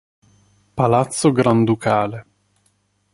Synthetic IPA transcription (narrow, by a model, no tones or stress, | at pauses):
palat̪sːoɡɾand̪ukʰaːle